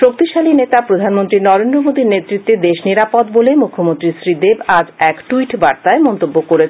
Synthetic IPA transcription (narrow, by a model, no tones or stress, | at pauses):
ʃok̚t̪iʃalinet̪apɾod̪ʱanmont̪ɾinɔɾend̪ɾomod̪iɾnet̪ːɾit̪ːed̪eʃniɾapod̪bolemukʰːomont̪ɾisɾid̪ebad͡ʑɛkʈuiʈbaɾt̪aemɔnt̪obːokoɾet͡ɕʰ